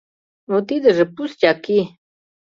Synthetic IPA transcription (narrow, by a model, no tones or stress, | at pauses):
ot̪id̪əʐəpust͡ɕaki